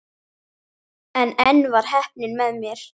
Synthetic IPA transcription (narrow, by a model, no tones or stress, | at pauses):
ɛnɛnːvaɾ̥ɦɛhp̚nɪnmɛðmjɛɾ̥